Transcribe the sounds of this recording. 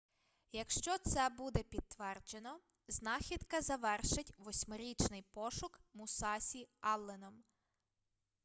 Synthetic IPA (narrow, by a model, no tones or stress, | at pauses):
jɐkʃt͡ʃɔt̪sɛbud̪ɛpʲid̪̚t̪ʋɛrd͡ʒenɔ | znɑxʲid̪kɐzɐʋɛrʃɪtʲʋɔsʲmɔɾʲit͡ʃnɪjpɔʃʊkmʊsɑsʲiɑlˠːenɔm